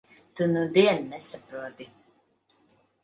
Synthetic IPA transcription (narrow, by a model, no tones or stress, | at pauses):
t̪unud̪iɛnːɛsapɾuɔt̪i